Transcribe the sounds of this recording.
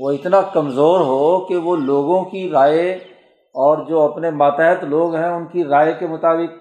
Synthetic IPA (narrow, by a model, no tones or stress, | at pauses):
ʋoɪt̪nakɐmzoːɾɦokeʋoloːɡõkiɾaːe | ɔːɾd͡ʒoːɐpnemaːt̪ɛːɦət̪loːɡɦɛ̃ʊnkiɾaːekemʊt̪aːbɪk̚